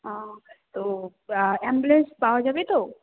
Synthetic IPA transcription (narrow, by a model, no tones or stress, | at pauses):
ɦãt̪o | ɛmbulenspawad͡ʒabet̪o